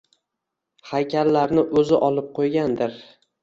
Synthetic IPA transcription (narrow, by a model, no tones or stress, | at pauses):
hajkʲʰaɾlaɾnɪʔɵzɪʔɒlˠɪp̚qʰojɡʲand̪ɪɾ